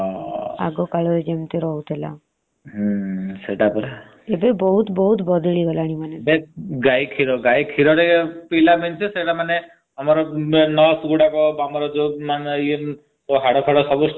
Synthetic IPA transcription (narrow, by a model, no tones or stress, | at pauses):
ɔa̰ɡɔkaɭɔɾed͡ʒemt̪eɾɔɦut̪ʰela̰ | seʈapɔɾa | ebebɔɦut̪bɔɦut̪bɔd̪iɭiɡɔlaɽ̃imanebeɡajkʰiɾɔɡajkʰiɾɔɾepilament͡ʃʰeseʈamane | ɔmɔɾɔnɔsɡuɽakɔbamɔɾɔd͡ʒomanie | t̪oɦaɽɔkʰɔɽɔsɔbus